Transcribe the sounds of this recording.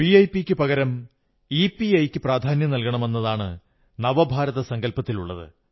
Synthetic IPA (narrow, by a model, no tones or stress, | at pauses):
piɐjpikʲːɨpɐɣɐɾɐm | ipiɐjkʲːɨpraːd̪ʱaːnjɐnɐlkɐɳɐme̞nːɐðaːɳɨ | nɐʋɐbʱaːɾɐðɐsɐŋɡɐlpɐt̪ːiluɭːɐ̰ðɨ̰